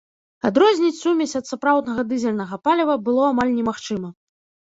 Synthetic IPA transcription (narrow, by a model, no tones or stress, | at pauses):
ad̪ɾɔzʲnʲit͡sʲsumʲɛt͡sʲɐt̪sapɾawd̪nɐɣɐd̪ɨzʲɛlʲnɐɣɐpalʲɛvɐbɨlˠɔamalʲnʲɛmaxt͡ʂɨmɐ